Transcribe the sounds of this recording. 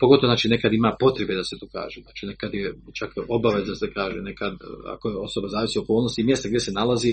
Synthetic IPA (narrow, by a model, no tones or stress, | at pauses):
poɡt̪oznaːt͡ʃiːne̞kad̪imaːpo̞t̪ɾebed̪aset̪uːka̰ːʒenaːt͡ʃine̞kad̪jet͡ʃakobaʋe̞zasekaːʒene̞kad̪a̰ko̞jeo̞so̞bazaːʋisiooko̞ːlnost̪imje̞st̪aɡd̪ʲjese̞nalazi